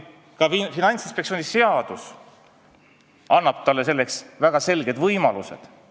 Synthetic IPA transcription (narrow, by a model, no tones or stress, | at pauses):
kɑifinɑnʲt̪sinspektsionise̞ɑd̪̥us | ɑnːɑb̥̚t̪ɑlːe̞s̬e̞lːe̞ksvæɡ̥ɑse̞lɡ̥e̞d̪vɤjmɑluse̞d̪̥